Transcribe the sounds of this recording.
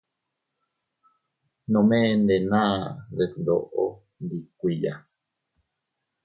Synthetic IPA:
nõ˧˨mẽ˦˧nd̪e˨nã˦ðe˨nd̪o̰˨ʔo˦ | nd̪i˨kʷi˨ja˨

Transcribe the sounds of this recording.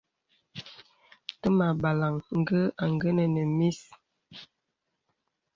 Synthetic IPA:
tə˦ma˨ba˨la˨ŋŋ̩˨ɡə˦a˨ŋɡə˦nə˨nə˨mi˦s

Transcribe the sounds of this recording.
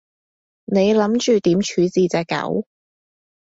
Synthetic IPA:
ne˨˧jlɐ˨˥mt͡ʃyː˨t̪iː˨˥mt͡ʃʰyː˨˧t͡siː˨˧t͡sɛː˧kːɐ̰˨˥w

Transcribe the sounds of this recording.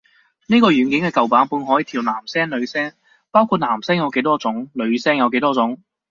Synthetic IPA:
niː˥kɔː˧jyː˨˩nkɪ˨˥ŋkɛː˧kɐ˨wpaː˨˥npuː˨˧nɦɔː˨˥jiː˨˧t̪ʰiː˨˩wnaː˨˩msɛː˥ŋlɵ˨˧ɥsɛː˥ŋ | paː˥wkʰu˧t̚naː˨˩msɛː˥ŋjɐ˨˧wke˨˧˥jt̪ɔː˥t͡sʊ˨˥ŋlɵ˨˧ɥsɛː˥ŋjɐ˨˧wke˨˥jt̪ɔː˥t͡sʊ˨˥ŋ

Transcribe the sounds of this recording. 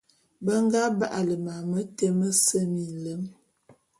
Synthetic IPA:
bə˦ŋ˦ɡa˦ba˦ʔa˨lə˨ma˨mə˦te˦mə˦sə˦mi˨lə˦m

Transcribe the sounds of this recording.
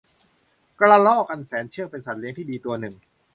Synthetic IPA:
kɾa˧lɔː˥˩ka˧nsɛː˩˦nt͡ɕʰɯ˥˩əŋpe˧nsa˨˩t̪̚li˦˥əŋt̪ʰiː˥˩diː˧t̪u˧ɐnɯ˨˩ŋ

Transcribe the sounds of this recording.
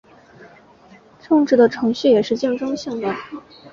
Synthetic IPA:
ʈ͡ʂʰɤ˥˧ŋʈ͡ʂɻ̩˥˩d̪ə˩ʈ͡ʂʰɤ˧˥ŋɕy˥˩jɛ˨˩ʂɻ̩˥˧t͡ɕjɛ˥˩ŋʈ͡ʂɤ˥ŋɕi˥˩ŋd̪ə˩

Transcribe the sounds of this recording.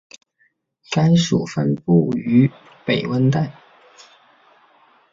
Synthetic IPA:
ka˥ɪʂṵ˨˩fə˥npu˥˩y˧˥ | pe˨˩ɪwə˥nt̪a˥˩ɪ

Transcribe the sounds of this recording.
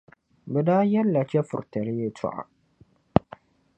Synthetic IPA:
bɛ˨daː˦jɛ˦lːa˨t͡ʃɛ˦fʊ̰˨ɾtɐ˨ɾɪ˦je˦tʰʊ̰˦ʔa̰˨

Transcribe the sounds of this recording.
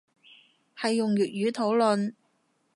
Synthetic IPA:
hɐ˨jːʊ˨ŋɥyː˨t̚jyː˨˥t̪ʰo˨˥wlɵ˨n

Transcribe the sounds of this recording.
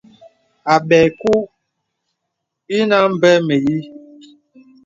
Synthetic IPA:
a˨ɓɛ˨ku˦ | i˦na˦m˦˨bɛ˦me˨ji˦

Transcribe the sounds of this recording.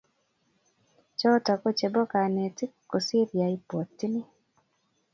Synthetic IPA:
t͡ʃɔ˦tɔ˨kɔ˦t͡ʃe˨bɔ˦ka˨ne˨tkːo˨si˦ɾja˨i˦po˨tːnɪ˦

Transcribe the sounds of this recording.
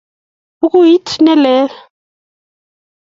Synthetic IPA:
u˦k̬ʼu˦ɦi˦tʰi˦nɛ˦lɛː˦la

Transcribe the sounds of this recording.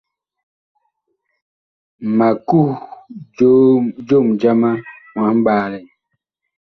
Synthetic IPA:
ma˨ku˦˨d͡ʒo˦d͡ʒo˦˨md͡ʒa˦ma˦ŋwa˨˦m̩˦ɓaː˦lɛ˨

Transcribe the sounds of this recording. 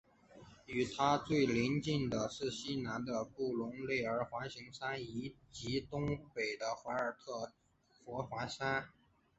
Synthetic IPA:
y˨˩t̪ʰa˥t͡swe˥˩ɪli˧˥nt͡ɕi˥˩ŋd̪ə˩ʂɻ̩˥˩ɕi˥na˧˥nd̪ə˧pu˥˩lʊ˧˥ŋle˥˩ɪə˞˧˥xwa˧˥nɕi˧˥ŋʂa˥ni˧˥t͡ɕi˧˥t̪ʊ˥ŋpe˨˩ɪd̪ə˦xwa˧˥ə˞˨˩t̪ʰɤ˥˩ | fwɔ˧˥xwa˧˥sa˥n

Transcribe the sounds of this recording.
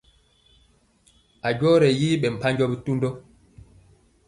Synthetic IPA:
a˨ɟɔ˦ɾɛ˨jiː˦ɓɛ˨m̩˨pa˦ɲɟɔ˦bi˦tu˦ndɔ˦

